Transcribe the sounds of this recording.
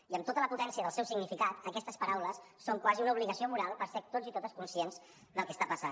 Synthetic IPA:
iəmt̪ot̪ələput̪ɛnsiəðəlˠsɛwsiɡnifikat̪əkɛst̪əspəɾawləsːoŋkwaziunəuβliɣəsiomuɾalˠpəɾsɛɾt̪od͡zit̪ot̪əskunsienz | d̪əlˠkəst̪apəsa

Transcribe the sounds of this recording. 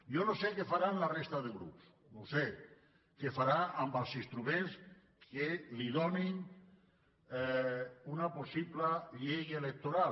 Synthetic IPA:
jonosekefaɾanlarest̪aðeɣɾṵps | nose | kefaɾaambalˠsist̪ɾumẽns | keliðonin | unaposiplaʎejelek̚t̪oɾal

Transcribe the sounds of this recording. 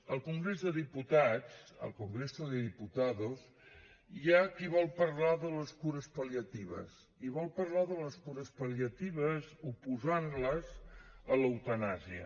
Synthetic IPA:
əlˠkuŋɡɾezðəðiput̪at͡sə̰lˠkuŋɡɾesuðəðiput̪aðoz | jakiβɔlˠpəɾlaðələskuɾəspəliət̪iβə̰s | iβɔlˠpəɾlaðələskuɾəspəliət̪iβ̞əzupuzanləzələwt̪ənaziə̰

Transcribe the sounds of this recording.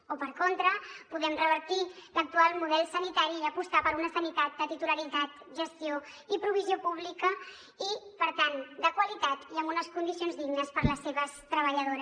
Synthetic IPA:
opəɾkont̪ɾəpuðɛmrəβəɾt̪ilək̚t̪ualˠmuðɛlˠsənit̪aɾiːəpust̪apəɾunəsənit̪at̪̚d̪ət̪it̪uləɾit̪at̪̚ | ʒəst̪ioipɾuβ̞iziopuβ̞likə | ipəɾt̪and̪əkwəlit̪at̪iəmunəskund̪isionzðiɡnəspəɾləsːeβəst̪ɾəβ̞əʎəðoɾ

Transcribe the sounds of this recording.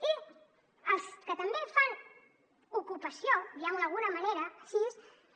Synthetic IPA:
i | əlˠskət̪əmbefan | ukupɐsjojawlalˠɣunɐmaneɾɐsis

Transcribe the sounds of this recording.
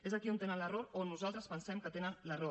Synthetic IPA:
ezəkiunt̪enənləroɾonːuzalˠt̪ɾəspənsɛmkət̪enənləro

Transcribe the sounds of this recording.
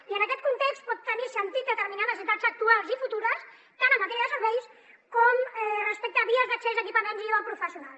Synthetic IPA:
iənəkɛt̪̚kunt̪ekst̪̚pɔt̪ːənisənt̪it̪̚ət̪əɾminaðəzit̪azək̚t̪ualˠzifut̪uɾəs | t̪anəmːət̪ɛɾiəðəsəɾβɛjs | kɔmɛrəspɛk̚t̪əβiəzðəksezd̪əkipəmenziðəpɾufəsiunalˠs

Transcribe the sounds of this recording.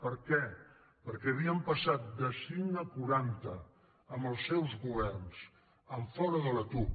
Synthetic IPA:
pəɾkɛ | pəɾkɛəβiəmpəsat̪̚d̪əsiŋəkuɾant̪əː | məlˠsːɛwzɣuβ̞ɛrns | əɱfɔɾəðələt̪u

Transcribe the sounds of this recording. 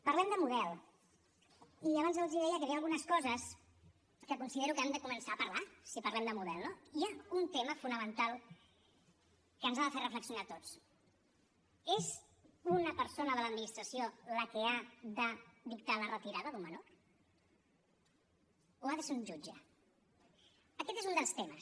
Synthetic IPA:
pəɾlɛmd̪əmuðɛlˠ | iaβanzəlˠziðɛjəkəβialˠɣunəskɔzəs | kəkunsiðeɾukamd̪əkumənsaːpəɾlasipɐɾlɛmd̪əmuðɛlˠnoiaunt̪eməfunəmənt̪alˠ | kənzaðəferəfləksjunat̪ot͡s | ez | unəpəɾsonəðələd̪minist̪ɾəsioləkəaðəðik̚t̪alərət̪iɾaðəðumːənor | oaðəseuɲʒud͡ʒə | əkɛt̪ezund̪əlˠst̪eməs

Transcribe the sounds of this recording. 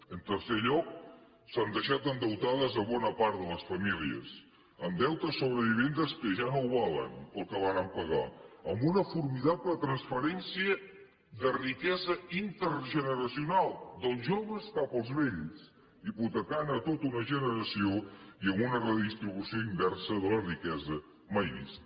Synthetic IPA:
ənt̪əɾseʎɔk̚ | sand̪əʃat̪ənd̪əwt̪aðəzəβɔnəpaɾt̪ðələsfəmiliə̰s | əmd̪ɛwt̪əsːoβɾəβiβ̞end̪əskəʒanowβalə̰npəlˠkəβaɾəmpəɣa̰əmbunəfuɾmiðaplət̪ɾənspəɾɛnsiə | d̪ərikɛzəint̪əɾʒənəɾəsiunalˠd̪əlˠzʒoβ̞əskapəlˠzβeʎs | iput̪əkanət̪ot̪unəʒənəɾəsioiəmunərəðist̪ɾiβ̞usioimbɛrsəðələrikɛzə | majβḭst̪

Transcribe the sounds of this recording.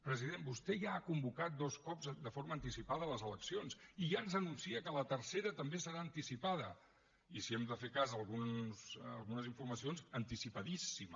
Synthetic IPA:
pɾəziðenbust̪ɛʒaːkumbukat̪̚d̪ɔskɔpzd̪əfoɾməːnt̪isipaðələzələksionsiʒanzənunsiəkələt̪əɾseɾət̪əmbesəɾaənt̪isipaðə | isiɛmd̪əfekazəːlˠɣunzəlˠɣunəziɱfuɾməsionzənt̪isipəðisim

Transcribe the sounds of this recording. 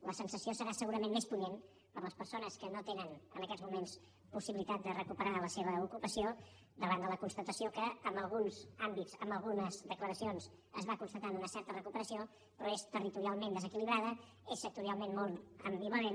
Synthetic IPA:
ləsənsəsiosəɾasəɣuɾəmẽnmespunen | pəɾlˠəspəɾsonəskənot̪enənənəkɛzmumens | pusiβilit̪at̪̚d̪ərəkupəɾaləseβəukupəsio | d̪əβand̪ələkunst̪ət̪əsiokəːmbəlˠɣunzambitzəmbəlˠɣunəzðəkləɾəsionz | əzβakunst̪ət̪anunəsɛɾt̪ərəkupəɾəsio | pɾɔest̪ərit̪uɾialˠmẽnd̪əzəkiliβɾað̞ə | esːək̚t̪uɾialˠmenmɔlˠəmbiβəðe

